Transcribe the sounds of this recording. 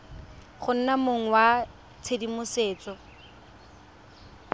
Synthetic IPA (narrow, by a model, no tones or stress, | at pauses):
χʊn̩namoŋ̩wa | t͡sʰedimʊseːt͡sɔ